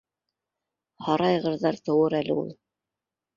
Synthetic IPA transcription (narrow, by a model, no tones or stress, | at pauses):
hɑɾɑjʁɤ̆ɾðɑɾt̪ɤ̆wɤɾælɘ̰ṵlˠ